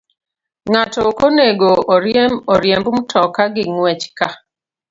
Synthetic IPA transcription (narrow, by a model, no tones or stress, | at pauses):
ŋatɔkoneɡoʔoɾjɛmɔɾjɛmbumtʰɔkaɡɪŋwɛt͡ʃka